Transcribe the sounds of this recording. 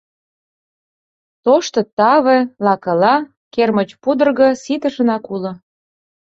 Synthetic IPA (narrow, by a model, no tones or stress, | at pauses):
t̪oʃt̪ɤ̆t̪ɑβĕlɑkɤ̆lɑ | kermə̆t͡ɕpud̪ə̆rɣɤ̆sit̪ə̆ʃə̆nɑkulŏ